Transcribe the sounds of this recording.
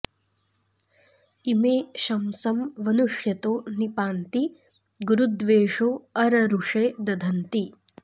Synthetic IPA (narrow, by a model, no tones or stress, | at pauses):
imeːʃɐmsɐmʋɐnuʂjɐt̪oːnipaːnt̪i | ɡuɾud̪ʋeːʂoːɐɾɐɾuʂeːd̪ɐd̪ʱɐnt̪i